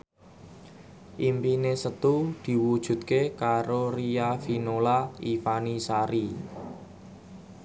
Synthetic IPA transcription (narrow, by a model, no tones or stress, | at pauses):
ʔimpinesət̪ud̪̥i̤wud̥ʒ̥ṳt̪̚kekaɾoriafinolaifanisaɾi